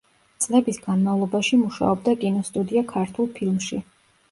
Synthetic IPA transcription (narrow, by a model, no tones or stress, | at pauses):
t̪sʼlɛbisɡanmavlˠɔbaʃimuʃa̰ɔb̚d̪akʼinɔst̪ʼud̪iakʰaɾt̪ʰulˠpʰilˠmʃi